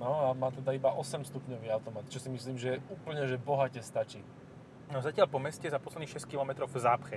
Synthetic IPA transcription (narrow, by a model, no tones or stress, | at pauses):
nɔamaːt̪ɛd̪aibaʔɔsɛmst̪upɲɔʋiːaʊt̪ɔmat̪t͡ʃɔsimisliːmʒɛɛuːpl̩ɲɛʒɛbɔɦacɛst̪at͡ʃiː | nɔzacɪalpɔmɛscɛzapɔslɛd̪nixʃɛsckilɔmɛt̪ɾɔʊvzaːpxɛ